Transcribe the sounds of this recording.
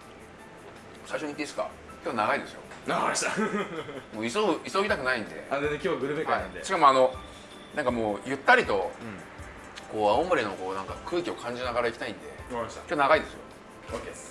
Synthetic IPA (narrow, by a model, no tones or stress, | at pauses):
saiɕoɲit̪ːeesɨ̥ka̰ | kʲo̞ːnaɡaid̪e̞sɨjo̰naaɕa | moːisoisoːɡʲit̪akɯ̟naĩnd̪e̞̰ad̪enekʲoːɡɯ̟ɾɯbekhaĩd̪eɕi̥kamo̞ano̞ | nãŋkamoːjɯ̟t̪ːaɾʲit̪o̞ | ko̞ːaõmɯ̟ɾe̞no̞ko̞ːnãŋkakʰɯ̟ːkʲio̞kʰãɲ̟d͡ʑinaɡaɾaikʲi̥t̪aĩnd̪e̞̰ḁakʲoːnaɣaid̪e̞sɨjo̰ | oke